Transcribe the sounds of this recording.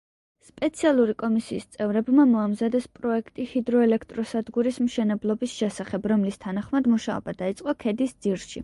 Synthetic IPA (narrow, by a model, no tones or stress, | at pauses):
spʼɛt̪sʰialˠuɾikʼɔmisiːst̪sʼɛvɾɛbmamɔamzad̪ɛspʼɾɔɛkʰt̪ʼihid̪ɾɔɛlɛkʰt̪ʼɾɔsad̪ɡuɾismʃɛnɛblˠɔbisʃɛsaχɛbɾɔmlist̪ʰanaχmad̪muʃaɔ̰bad̪ait̪sʼqʼɔkʰɛd̪isd̪z̥iɾʃḭ